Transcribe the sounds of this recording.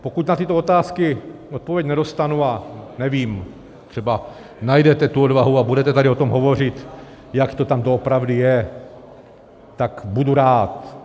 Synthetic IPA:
po̞kucnat̪ɪt̪oot̪aːskɪot̪̚povjɛcnɛdo̞st̪anuanɛviːm | t̪r̥ɛba | najdɛt̪ɛt̪uodvaɦuabudɛt̪ɛt̪adɪo̞t̪omɦo̞vo̞r̝ɪt̪ | jakt̪o̞t̪amdoopɾavdɪjɛ | t̪ːakbuduɾaːt̪

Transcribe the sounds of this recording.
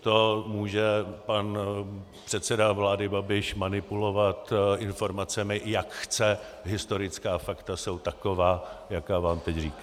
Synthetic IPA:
t̪o̞muːʒɛpan | pr̥ɛt̪sɛdavlaːdɪbabɪʃmanɪpulo̞vat̪ʔɪnfo̞ɾmat͡sɛmɪjakxt͡sɛ | ɦɪst̪oɾɪt͡skaːfakt̪aso̞wt̪ako̞vaːjakaːvaːmt̪ɛcriːka

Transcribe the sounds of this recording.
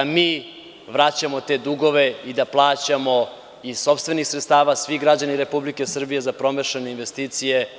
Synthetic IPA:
miː | ʋɾat͡ɕamo̞t̪e̞d̪uɡo̞ʋeid̪aplˠaːt͡ɕamo̞ | i̥so̞pst̪ve̞nixsɾet̪st̪aːʋaːsʋixɡɾad͡ʑaniɾe̞publike̞sr̩bije̞zapɾo̞meʃeneinʋe̞st̪iːt̪sije

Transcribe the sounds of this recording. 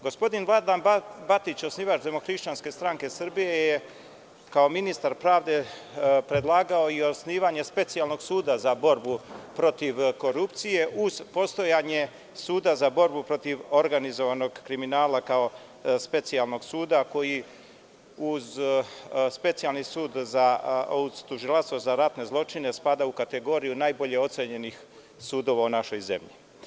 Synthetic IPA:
ɡo̞spo̞d̪invlˠad̪anbat̪it͡ɕosniːʋat͡ʃd̪e̞moxɾiʃt͡ɕanske̞st̪ɾaŋke̞srbije̞je | kao̞minist̪aɾpɾaːʋd̪e̞pɾe̞d̪lˠaːɡao̞iosniːʋaɲe̞spe̞t̪sialˠno̞ɡsuːd̪azabo̞ɾbupɾo̞t̪iʋko̞ɾupt̪sije̞ʔuzpo̞st̪o̞jaːɲe̞ | suːd̪azabo̞ɾbupɾo̞t̪iʋo̞ɾɡanizo̞ʋano̞ɡkɾiminaːlakao̞ | spe̞t̪sialˠno̞ɡsuːd̪ako̞ji | uz | spe̞t̪sijalˠnisuːd̪zauz̥t̪uʒilˠaʃst̪ʋozaɾat̪ne̞zlˠo̞t͡ʃine̞spad̪aukat̪e̞ɡo̞ɾijunaːjbo̞ʎe̞o̞t̪seɲe̞nix | suːd̪o̞ʋaunaʃo̞jze̞̰mʎḭ

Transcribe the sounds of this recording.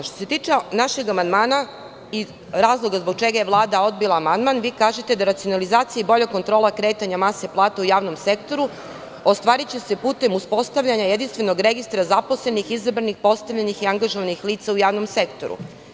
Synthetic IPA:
ʃt̪ose̞t̪iːt͡ʃenaʃe̞ɡamand̪maːna | i | ɾaːzlˠo̞ɡazboɡ̚t͡ʃe̞ɡajeʋlˠaːd̪ao̞d̪̚bilˠaːmand̪manʋiːkaːʒet̪e̞d̪aɾat̪sijo̞nalizaːt̪sijaibo̞ʎeko̞nt̪ɾo̞ːlˠakɾe̞ːt̪aɲamase̞plˠaːt̪aujaːʋno̞mse̞kt̪o̞ɾu | ost̪ʋaːɾit͡ɕe̞se̞puːt̪e̞muspo̞st̪aʋʎaɲajed̪inst̪ʋe̞no̞ɡɾe̞ɡist̪ɾazaposle̞nixizabɾanixpo̞st̪aʋʎenixiaŋɡaʒoʋanixliːt̪saujaːʋno̞mse̞kt̪o̞̰ɾṵ

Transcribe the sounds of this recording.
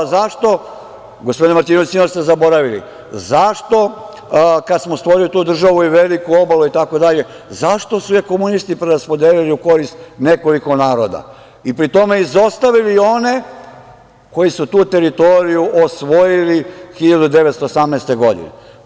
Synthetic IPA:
zaʃt̪o̞ | ɡospod̪inmaɾt̪inoisinost̪ezabo̞ɾaʋilḭ | zaʃt̪o̞ | kad̪smost̪ʋo̞ɾilit̪uːd̪r̩ʒaʋuiʋe̞likuo̞baluit̪ako̞d̪aʎe̞ | zaʃt̪o̞sujeko̞munist̪ipɾeɾaspo̞d̪eːliliuko̞ɾist̪ne̞ko̞likonaːɾod̪a̰ | ipɾit̪o̞me̞izo̞st̪aʋilio̞ne̞ | ko̞jisut̪uːt̪e̞ɾit̪o̞ɾijuʔosʋo̞jilixiʎad̪ud̪e̞ʋet̪st̪oːsamnest̪e̞ɡo̞d̪ḭnḛ

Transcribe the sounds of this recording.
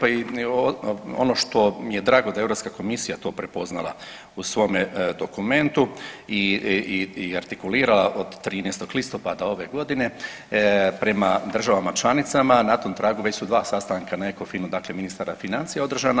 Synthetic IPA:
pai | o̰no̞ʃt̪o̞mijed̪ɾaːɡo̞d̪aeɾo̞pskako̞misijat̪o̞ːpɾe̞po̞zna̰lˠa̰ | usʋo̞med̪o̞kume̞nt̪ui | iaɾt̪ikuliːɾalaʔod̪ːɾiːnest̪o̞ɡlist̪o̞pad̪ao̞ʋe̞ɡo̞d̪ine̞ | pɾe̞mad̪r̩ʒaʋamat͡ʃlˠanit̪samanat̪oːmt̪ɾaːɡuʋe̞t͡ɕsud̪ʋaːsast̪aŋkanaeko̞finud̪akle̞minist̪aːɾafinant̪sijaod̪r̩ʒana

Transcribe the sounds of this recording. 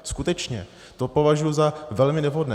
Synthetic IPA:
skut̪ɛt͡ʃɲɛ̰ | t̪o̞po̞vaʒujuzavɛlmɪnɛvɦodnɛː

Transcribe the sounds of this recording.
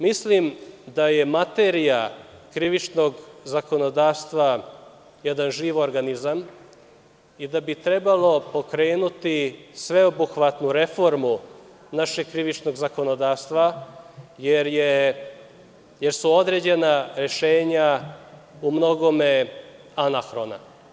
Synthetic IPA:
mislimd̪aje̞mat̪eɾija | kɾiʋit͡ʃno̞ɡzako̞no̞d̪aːfst̪ʋa | jɛd̪anʒiːʋoɾɡanizam | id̪abit̪ɾe̞balˠo̞po̞kɾe̞ːnut̪isʋe̞obuxʋat̪nuɾe̞fo̞ɾmu | naʃe̞ɡ̚kɾiʋit͡ʃno̞ɡzako̞no̞d̪aːfst̪ʋa | jeɾje | jeɾsuo̞d̪ɾe̞ːd͡ʑe̞naɾe̞ʃeːɲa | umno̞ɡo̞me | anaxɾo̞na̰

